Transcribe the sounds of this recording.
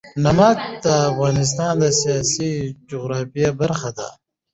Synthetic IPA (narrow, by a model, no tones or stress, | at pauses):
nɐmak̚d̪aːfɣaːnɪs̬t̪aːnd̪asijaːsid͡ʒuɣɾaːfijabɐɾxad̪a̰ː